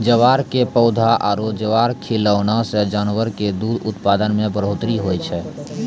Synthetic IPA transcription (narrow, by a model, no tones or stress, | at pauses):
d͡ʒəʋaːɾkepəʊd̪ʱaʔaːɾod͡ʒəʋaːɾkʰiləʊnased͡ʒanʋəɾked̪ud̪ʱʊt̪pad̪ənmẽbəɾot̪ɾiɦojt͡ʃʰɛ